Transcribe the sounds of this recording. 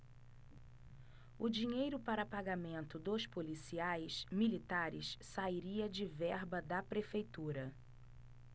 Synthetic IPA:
ʊd͡ʒiɲejɾʊpaɾɐpaɡamẽnt̪ʊd̪ospolisiajsmilit̪aɾɪʃsaiɾiɐd͡ʒɪvɛɾbɐd̪ɐpɾefejt̪uɾɐ

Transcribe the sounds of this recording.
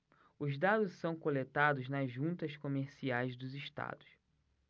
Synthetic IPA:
ʊzd̪ad̪ʊssɐ̃w̃kolet̪ad̪ʊznɐzʒũnt̪ɐskomeɾsiajzd̪ʊziʃt̪a̰d̪ʊ̥s

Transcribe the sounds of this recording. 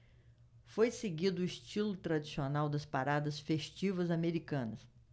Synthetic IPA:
fojseɡid̪ʊʊist͡ʃilʊt̪ɾad͡ʒisionawd̪ɐspaɾad̪ɐsfeʃt͡ʃivɐzameɾikɐ̃nɐs

